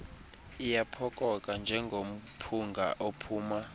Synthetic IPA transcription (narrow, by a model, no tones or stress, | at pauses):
ijapʰɔkʼɔkʼand͡ʒʱɛŋɡʱom̩pʰuŋɡʱa̰ʔopʰuːma